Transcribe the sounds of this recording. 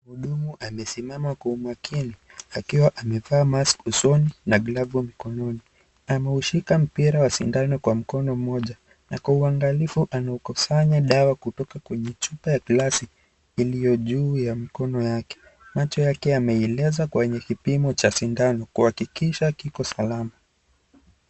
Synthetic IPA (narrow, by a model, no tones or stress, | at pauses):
muɗumuʔamɛsimamakuumwakʰini | akiwaʔamɛvaːmaskusɔninaɡlavumikɔnɔni | amɛuʃikam̩piɾawasindanɔkwam̩kɔnɔm̩mɔʄa | na̰kwauaŋɡalifuʔanaukusaɲaɗawakutɔkakwɛɲɛt͡ʃupajakilasiː | lijɔʄuːjamikɔnɔjakɛ̥ | mat͡ʃɔjakɛamɛɛlɛzakwɛɲɛkipimɔt͡ʃasindanɔkuhakikiʃakikɔsalama